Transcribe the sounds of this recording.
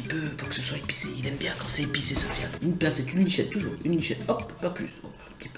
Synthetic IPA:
ipøpuʁkə̥səswaepi̥sḛilɛmbjɛ̃kɑ̃sɛepisesɔfja̰ynpasɛt̪ynliʃɛt̪ːuʒṵːʁynːiʃɛt̪ɔkpaply̰so̰ | kip

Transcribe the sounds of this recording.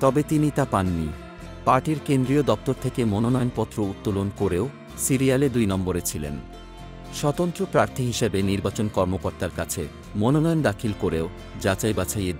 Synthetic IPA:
t̪ɔbet̪init̪apanːḭ | paɾʈiɾkend̪ɾiod̪ɔp̚t̪oɾt̪ʰekemononɔjonpɔt̪ːɾout̪ːolonkoɾeo | siɾialed̪ujnɔmboɾet͡ɕʰilḛn | ʃɔt̪ont̪ɾopɾaɾt̪ʰiɦiʃebeniɾbat͡ɕonkɔɾmokoɾt̪aɾkat͡ɕʰḛ | mononɔjond̪akʰilkoɾeo | d͡ʑat͡ɕajbat͡ɕʰaje

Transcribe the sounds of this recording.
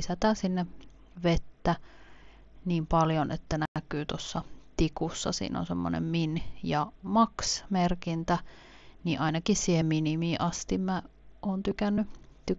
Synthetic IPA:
isæt̪æːnsinːe | ʋet̪ːæ | niːmpɑljonḛt̪ːænækyːt̪uosːɑt̪ikusːɑ̰sḭːno̰nsemːo̰nḛmminjɑmɑksmerkint̪æ | niːʔʔɑinɑkissiːhemminimiːʔɑst̪immæ | ʔoːnt̪ykænːyt̪y

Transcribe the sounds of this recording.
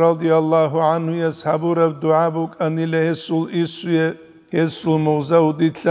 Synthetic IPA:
ɾɑd̪ijalˠːaːɦuʕanhujashabuɾɛb̚d̪uʕabukʼanilɛhɛsulisujɛ | hɛsulmɔʁzaud̪it̪ʰɬa

